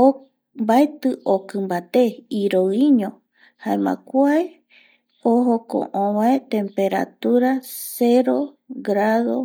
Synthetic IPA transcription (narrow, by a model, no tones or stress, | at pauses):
o | mbaet̪ɨʔokɨ̃mbat̪eiɾoiɲõ | haẽmã̰kʷae | oɦokõ̰ʔõβaet̪ẽ̞mpe̞ɾa̰t̪uɾaseɾo̞ɡɾaðo̞